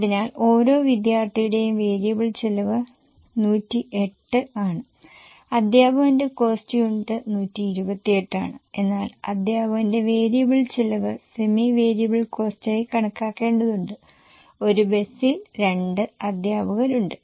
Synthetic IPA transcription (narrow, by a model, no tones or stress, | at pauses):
ɐðinaːlo̞ːɾo̞ːʋid̪jaːrt̪ʰijuɽe̞jumʋe̞ːɾijɐbɐɭt͡ɕelɐʋɨ | nuːtːiʔe̞ʈːɨaːɳɨ | ɐd̪ʱjaːbɐɣɐnde̞ko̞ːstijuɳɖɨnuːtːiːɾubɐt̪ːieʈːa̰ːɳɨe̞nːaːlɐ̰d̪ʱjaːbʱɐɣɐnde̞ʋeːɾijɐbɐɭt͡ɕilɐʋɨsemiʋe̞ːɾijɐbɐɭko̞ːstɐːjkɐɳɐkːaːkːe̞ːɳɖɐðuɳɖɨ | o̞ɾube̞silɾe̞ɳɖɨɐd̪ʱjaːbʱɐɣɐɾuɳɖɨ